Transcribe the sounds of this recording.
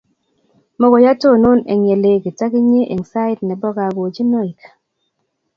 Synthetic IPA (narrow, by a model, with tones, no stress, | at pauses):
mɔ˦ɡɔ˨ja˦to˦˨no˦nḛ˨ŋe˨le˨ɡi˨ta˦kɪ˦ɲe˦ʔe˨ŋsa˦ɪ˦tnɛ˨bɔ˦ɡa˨ɡo˨d͡ʒi˦no˦i˨kḁ˨